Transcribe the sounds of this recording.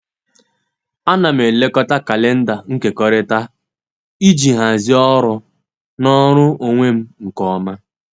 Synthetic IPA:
a˦na˨m̩˨e˨le˦kɔ˦ta˦ka˨le˦n̩˦da˨ŋ̩˦ke˨kɔ˦ɾe˦ta˦ | i˦d͡ʒi˨ɦa˨zi˦ɔ˦ɾʊ˦ | nɔ˦ɾʊ˦o˨ŋʷe˦m̩˦ŋ̩˨kɔ˦ma˦

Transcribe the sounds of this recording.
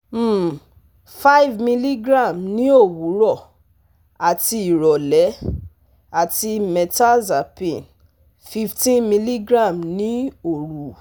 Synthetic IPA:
m̩˦˨ | fa˦i˦vmĩ˧li˦ɡɾã˦˨mnĩ˨˦o˦˨wu˨˦ɾɔ˦˨ | a˨ti˧i˨ɾɔ˨lɛ˨˦ | a˨ti˧mɛ˨ta˦za˨pĩ˨n | fi˧ftĩ˦nmĩ˧li˦ɡɾã˦˨mnĩ˨˦o˦˨ɾu˨˦

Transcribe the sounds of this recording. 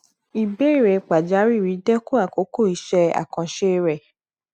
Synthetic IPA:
i˨be˦i˦˨ɾɛ˨k͡pa˨d͡ʒa˨˦ɾi˦˨ɾi˨˦dɛ˦kũ˦a˦˨ko˨˦ko˦˨i˨˧˦ʃɛ˧˦a̰˨kã˧ʃe˦ɾɛ˨

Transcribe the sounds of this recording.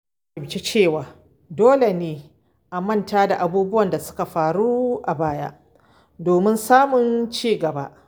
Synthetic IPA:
bɪ˨t͡ʃe˦t͡ʃeː˦˨waː˨ | doː˦le˨neː˨ | ʔa˨mɐ˦˨ntaː˦da˨ʔa˨buː˦bʊ˦wɐ˨nda˨sʊ̥˦ka˨ɸaː˨ɽu˦ʔa˨baː˦ja̰˦ʔ | doː˨mɪ˦nsaː˦mʊ˨nt͡ʃiː˦˨ɡɐ˨ba̰˦ʔ

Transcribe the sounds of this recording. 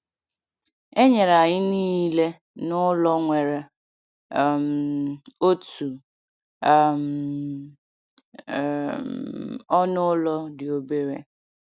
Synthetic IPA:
e˦ɲe˨ɾa˨ɲɪ˦ni˦le˦ | nʊ˦lɔ˦ŋʷe˨ɾe˨ | m̩˨o˦tu˨ | m̩˨ | ɔ˦nʊ˦lɔ˦dɪ˨o˨be˦ɾḛ˨

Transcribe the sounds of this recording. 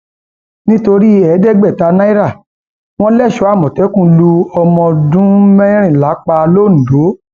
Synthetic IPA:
nĩ˦to˧ɾi˦ɛ˨˦dɛ˦ɡ͡bɛ˦˨ta˧na˦i˦ɾa˦˨ | w̃ɔ̃˦lɛ˦˨ʃɔ˨˦a˦˨mɔ̃˨tɛ˨˦kũ˦˨lu˧ɔ˧mɔ̃˧dũ˦mɛ̃˦ɾ̃ĩ˦˨la˨˦k͡pa˧lo˦˨ñ̩˨do˨˦

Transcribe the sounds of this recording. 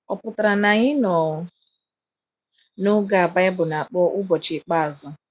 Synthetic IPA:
ɔ˨pʊ˨ta˨ɾa˨na˨ɲɪ˦nɔ˨ | nʊ˦ɡa˦a˨ba˦ɪ˦bʊ˨na˨a˨k͡pɔ˦ʔʊ˦bɔ˨t͡ʃɪ˨k͡pa˦a˨zɔ˦

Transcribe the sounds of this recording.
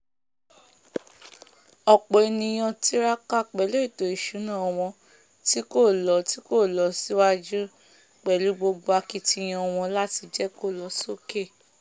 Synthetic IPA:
ɔ˨k͡po˨e˨˧nĩ˧j̃ɔ̃˧ti˦ɾa˦ka˦k͡pɛ˨˦lo˦i˦˨to˨i˨ʃu˨˦nã˦˨ɔ˧w̃ɔ̃˧ | ti˦ko˦˨lɔ˨˦ti˦ko˦˨lɔ˨˦si˦wa˦d͡ʒu˦ | k͡pɛ˨lu˨˦ɡ͡bo˧ɡ͡bo˧a˧ki˧ti˦˧˦j̃ɔ̃˧w̃ɔ̃˧la˦ti˧d͡ʒɛ˦ko˦˨lɔ˨˦so˦˨ke˦˨

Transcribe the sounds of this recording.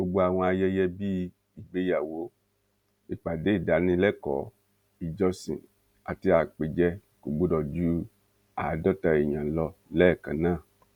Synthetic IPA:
ɡ͡bo˧ɡ͡bo˧a˨w̃ɔ̃˧a˧jɛ˦jɛ˧bi˦ | i˨ɡ͡be˦ja˨wo˨˦ | e˨k͡pa˨de˨˦˨da˨˦nĩ˧˦lɛ˦kɔ˨˦ | i˨d͡ʒɔ˧sḭ̃˨ | a˨ti˧a˨k͡pe˨d͡ʒɛ˦ku˨ɡ͡bo˦dɔ˨d͡ʒu˦ | a˨dɔ˦ta˧e˨ɲã˨lɔ˧lɛ˦˨kã˨nãː˦˨

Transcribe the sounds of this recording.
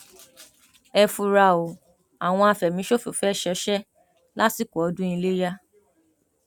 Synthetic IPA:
ɛ˧fu˧ɾa˧o˨ | a˨w̃ɔ̃˧a˧fɛ˨mĩ˨˦ʃo˦fo˨fɛ˦ʃɛ˧˦ʃɛ˦ | la˦si˦ko˨ɔ˨˧˦dũ˦ĩ˧le˦ja˦

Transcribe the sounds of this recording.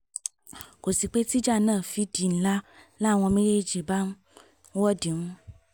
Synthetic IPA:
ko˨si˨k͡pe˦t̪i˦d͡ʒa˦nãː˦˨fi˦di˨n̩˦la˦nã˦˨w̃ɔ̃˧mẽ˦je˦d͡ʒi˨ba˦nu˦ | wɔ˦di˨ŋũ˦

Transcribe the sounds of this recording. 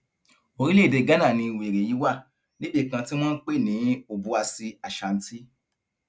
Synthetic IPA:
o˧ɾi˦le˦˨de˧˨ɡa˨˦nã˦˨nĩ˧˨we˨ɾe˨ji˨˦wa˦˨ | le˦be˦˨kã˧ti˦m̃ɔ̃ː˦n̩˦k͡pe˦˨nĩ˨˦o˨bu˧˦a˧si˧a˨ʃa˨n̩˦ti˦

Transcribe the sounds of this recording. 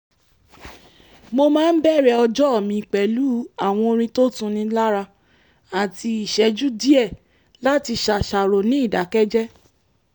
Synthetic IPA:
mo˧mãː˦˧n̩˦bɛ˦˨ɾɛ˧˨ɔ˧d͡ʒɔ˦ɔ˦˨mĩ˨k͡pɛ˨lu˨˦a˦˨w̃ɔ̃˧o˧ɾ̃ĩ˧to˦tũ˧nĩ˧˦la˦ɾa˧ | a˨ti˧i˨ʃɛ˨˦d͡ʒu˦di˦ɛ˦˨ | la˦ti˧ʃa˧ʃa˨ɾo˨nĩ˦i˦˨da˨˦kɛ˦d͡ʒɛ˦

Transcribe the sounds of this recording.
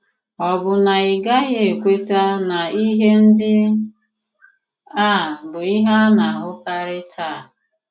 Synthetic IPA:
ɔ˨bʊ˨na˨i˨ɡa˦ɣje˨kʷe˦ta˦na˨i˦ɦe˦n̩˦dɪ˦ | a˦˨bʊ˨i˦ɦa˦na˨ɦʊ˦ka˦ɾɪ˦tʰa˦˨

